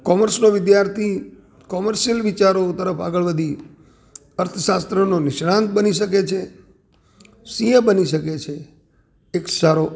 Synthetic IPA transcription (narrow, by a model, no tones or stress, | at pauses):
kɔməɾsnoʋɪd̪jaɾt̪ʰi | kɔməɾʃijəlʋɪt͡ʃaɾot̪əɾəfa̰ɡəɭʋəd̪ʱi | əɾt̪ʰəʃast̪ɾənonɪʃɽãnt̪̚bəniʃəket͡ʃʰe | sijəbəniʃəket͡ʃʰe | eksaɾo